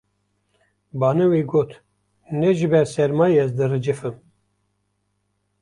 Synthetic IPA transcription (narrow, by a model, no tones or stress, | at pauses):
bɑːnɨweɡoːt̪ | nɛʒɨbɛɾsɛɾmɑːjɛzd̪ɨrɨd͡ʒɨfɨm